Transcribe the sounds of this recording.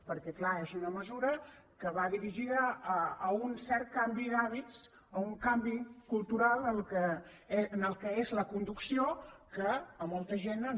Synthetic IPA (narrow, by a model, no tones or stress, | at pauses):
pəɾkɛklaezunəməzuɾəkəβaðiɾiʒiðəː | unsɛɾt̪̚kambiðaβit͡s | əuŋkambikulˠt̪uɾalˠəlˠkə | enəlˠkəezləkund̪uksiokəːmolˠt̪əʒenən